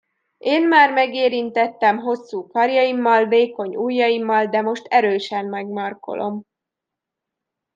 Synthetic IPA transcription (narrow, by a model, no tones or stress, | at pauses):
ʔeːnmaːrmɛɡeːɾint̪ɛt̪ːɛmɦo̞sːuːkɒrjɒimːɒlveːko̞ɲuːjːɒjimːɒld̪ɛmo̞ʃt̪ɛɾøːʃɛmmɛɡmɒrko̞̰lʔo̞̰m